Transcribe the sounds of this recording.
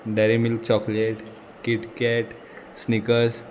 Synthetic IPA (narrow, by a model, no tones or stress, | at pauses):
ɖɛɾimilk̚t͡ɕɔkleʈ | kiʈkɛʈ | snikəɾs